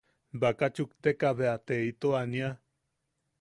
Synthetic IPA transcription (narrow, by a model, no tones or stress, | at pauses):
bakat͡ʃukt̪ekaβeat̪eit̪oania